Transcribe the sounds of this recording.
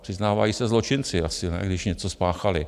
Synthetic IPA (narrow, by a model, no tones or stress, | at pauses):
pr̥ɪznaːva̰jiːsɛzlo̞t͡ʃɪnt͡sɪasɪnɛ̰ɡdɪʃɲɛt͡sospaːxalɪ